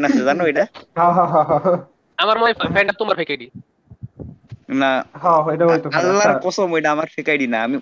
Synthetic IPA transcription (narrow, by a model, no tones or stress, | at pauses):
nasezanɦojɖaɦãɦãɦãɦãɦ | amaɾmajafʰɛɳɖat̪umaɾfʰekajɖi | naɦãɦojɖaɦojt̪oalːaɾkɔsɔmojɖaːmaɾfʰekajɖinaːmi